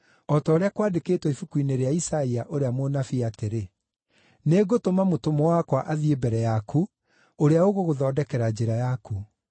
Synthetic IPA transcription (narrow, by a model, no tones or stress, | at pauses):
ɔtɔoɾeakwadekeːtwɔifukwineɾeaisaiaʔoɾeamonafiateɾe | neɡotomamotomɔwakwaʔaðiebɛɾɛjakʰu | oɾeaoɣoɣoðɔːdɛkɛɾad͡ʑeɾajaku